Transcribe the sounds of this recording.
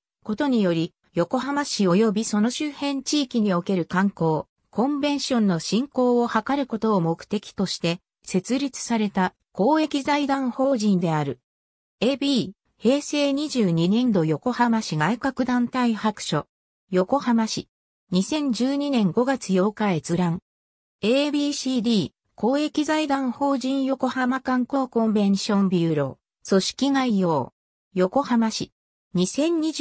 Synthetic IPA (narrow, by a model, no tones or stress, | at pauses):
ko̞t̪o̞ɲ̟ijo̞ɾʲi | jo̞ko̞ɦamaɕio̞jo̞bʲiso̞no̞ɕɨhẽ̞ɲ̟t͡ɕiːkʲiɲ̟io̞ke̞ɾɯ̟kãŋko̞ː | kõ̞mbẽ̞ɰ̃ɕõ̞nːo̞ɕĩŋko̞ːohakaɾɯ̟ko̞t̪o̞ːmo̞kɯ̥t̪e̞kʲi̥t̪o̞ɕi̥t̪e̞ | se̞t͡sɨɾʲit͡sɨ̥saɾe̞t̪a | ko̞ːe̞kʲizaid̪ãɰ̃ho̞ːʑĩnd̪e̞aɾɯ̟ | ebi | he̞ːse̞ːɲ̟iʑɨːɲ̟inẽ̞nd̪o̞jo̞ko̞hamaɕiɡaikakɯ̟d̪ãnt̪aihakɯ̟̥ɕo̞̰ | jo̞ko̞hamaɕi | ɲ̟isẽ̞ɲ̟d͡ʑɨːɲ̟inẽ̞ŋɡo̞ɡat͡sɨjo̞ːkae̞t͡sɨɾãŋ | eːbʲiɕiːd̪ʲiː | ko̞ːe̞kʲizaid̪ãɰ̃ho̞ːʑĩɰ̃jo̞ko̞hamakãŋko̞ːkõ̞mbẽ̞ɲ̃ɕõ̞mbʲɯːɾo̞̰ː | so̞ɕi̥kʲiŋaijo̞ː | jo̞ko̞hamaɕi | ɲ̟isẽ̞ɲ̟ɲi